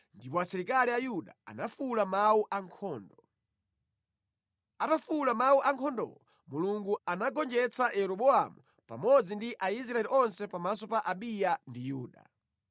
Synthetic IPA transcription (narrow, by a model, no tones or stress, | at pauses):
ndipɔasiɾikaliajuɗaa̰nafulamawuʔaŋkʰɔːndɔ | atafulamawuʔaŋkʰɔndɔ̰lɔ | muluŋɡuanaɡɔnd͡ʒɛt͡sajɛɾɔɓɔa̰mu | pa̰mɔd͡zindiʔais̬ɾaɛliʔɔnsɛpamasɔpaʔaɓijandijuːɗa̰